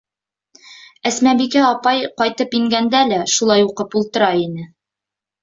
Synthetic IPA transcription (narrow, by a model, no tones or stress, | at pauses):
æsmæbikæɒpɑjqɒjt̪ɤpiŋɡænd̪ælæʃulˠɑjuqɤpulˠt̪ɤ̆ɾɑinɘ